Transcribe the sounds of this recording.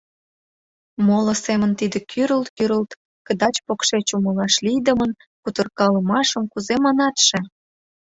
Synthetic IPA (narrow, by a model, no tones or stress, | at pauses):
molə̆semənt̪id̪ĕkʰyɾəlt̪kyɾəlt̪ | kə̆d̪ɑt͡ɕpokʃet͡ɕuməlɑʃlijd̪əmən | kut̪ərkɑləmɑʃəmkuzemɑnɑt̪ʃe